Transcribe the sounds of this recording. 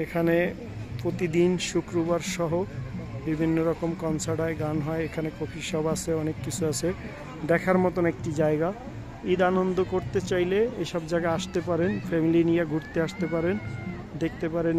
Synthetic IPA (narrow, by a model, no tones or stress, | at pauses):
ekʰane | pɾot̪id̪inʃukɾobaɾʃɔɦobibʱinːoɾɔkomkɔnsʰaɖaeɡanɦɔeekʰanekokʰiʃɔbat͡ɕʰeɔnekːit͡ɕʰuat͡ɕʰe | d̪ɛkʰaɾmɔt̪onek̚ʈid͡ʑaeɡa | id̪anond̪okoɾt̪et͡ɕajleeʃɔbd͡ʑaɡaaʃt̪epaɾenfɛmilinijaɡʱuʈt̪eaʃt̪epaɾen | d̪ek̚t̪epaɾen